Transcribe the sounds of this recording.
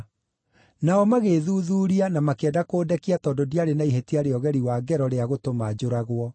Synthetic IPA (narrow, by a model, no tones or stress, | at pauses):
naɔmaɣeːðuːðuːɾianamakeɛdakoːdɛkiatɔːndodiaɾenaiɦetiaɾeɔɣɛɾiwaːɡɛɾɔɾeaɣotomad͡ʑoɾaɣwɔ